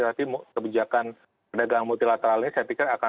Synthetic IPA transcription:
tat̪imkəbid͡ʒakan | padaɡaŋmut̪ilat̪əɾalɲasajat̪ikɪraka

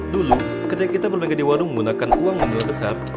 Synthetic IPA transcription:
dulu | kət̪ikakit̪abərbeɡadiwaɾʊŋməɡunakanuaŋməniabəsar

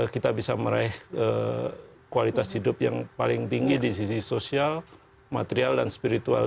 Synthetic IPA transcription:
kit̪abisaməɾaɪhə | kualit̪ashidʊp̚jaŋpalɪŋt̪iŋɡidis̬isisosial | mat̪eɾialdanspiɾit̪ua̰l

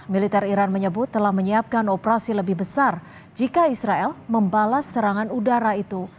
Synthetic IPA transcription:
milit̪ɛriɾanməɲəbʊt̪ːəlahməɲiap̚kanopəɾasiləbɪhbəsar | d͡ʒikaisɾaɛlməmbalasːəɾaŋanudaɾait̪u

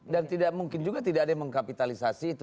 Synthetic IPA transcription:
dant̪idaʔ̚muŋkɪnd͡ʒuɡat̪idakadaməŋkapit̪alisasiːt̪

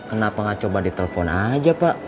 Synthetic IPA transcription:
kənapaŋat͡ʃobadit̪elefɔnad͡ʒapaʔ

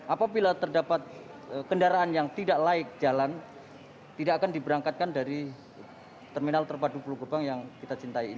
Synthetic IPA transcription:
ʔapabilat̪ərdapat̪̚əkəndaɾaʔːnjaŋt̪idaʔlaɪk̚d͡ʒalan | t̪idaʔakandibəɾaŋkat̪̚kandaɾi | t̪ərminalt̪ərpadupuluɡəbaŋjaŋkit̪at͡ʃint̪aiːn

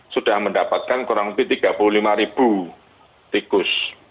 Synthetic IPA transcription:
suɖ̥ahməndapat̪̚kankuɾaŋpit̪iɡ̥a̤pululimaɾib̥u | t̪ikʊs

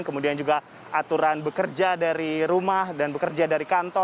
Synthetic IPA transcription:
nkəmudiand͡ʒuɡa | ʔat̪uɾanbəkərd͡ʒadaɾiɾumahdanbəkərd͡ʒadaɾikant̪ɔ

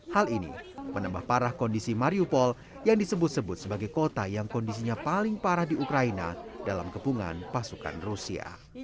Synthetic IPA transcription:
halinḭmənambahpaɾahkɔndisimaɾiupɔl | jaŋdisəbʊt̪̚səbʊt̪̚səbaɡajkot̪ajaŋkɔndis̬iɲapalɪŋpaɾahdiukɾaina̰dalamkəpuŋa̰npasuka̰nrusia̰

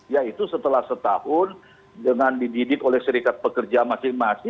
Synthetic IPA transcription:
jait̪usət̪əlahsət̪ahʊn | dəŋandididɪkolɛhʃəɾikat̪̚pəkərd͡ʒamasɪŋmasɪ

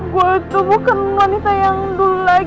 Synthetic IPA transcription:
ɡuait̪ubukanwanit̪ajaŋd̪ulla

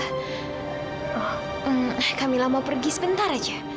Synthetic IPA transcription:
ɔh̩ | ahkamilahmawpərɡisəbənt̪aɾad͡ʒa

